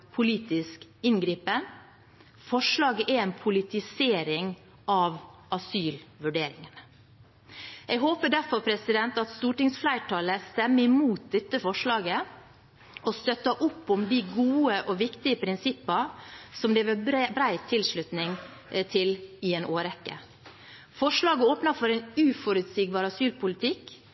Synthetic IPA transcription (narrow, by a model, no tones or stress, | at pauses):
pʰʊliːt̪ɪskɪnɡɾiːpə | fɔʂlɑːɡəʔɛɾɛnpʰʊlɪt̪ɪseːɾɪŋ | ʔɑʋɑsyːlʋʉɖeːɾɪŋən | ʔɛɡɦoːpəɖæɾfɔɾpʰɾɛsɪd̪ɛnt̪ɑt̪st̪uːʈɪŋsflæɪʈʰɑːləst̪ɛmːəɪmuːt̪̚d̪ɛt̪ːəfɔʂɭɑːɡə | ʔɔst̪œt̪ːɑʔʊpːʊmd̪ɪɡuːəʔɔʋɪkt̪ɪəpʰɾɪnsɪpːɑsɔmleːʋəbɾæɪt̪ʰɪlʂɭʉt̪nɪŋ | t̪ʰɪlɪeːnʔoːɾɛkːə̰ | fɔʂlɑːɡəoːpnɑfɔɾɛɪnʉːfɔɾʉt̪siːɡ̚bɑːɾɑsyːlpʰʊlɪt̪ʰɪk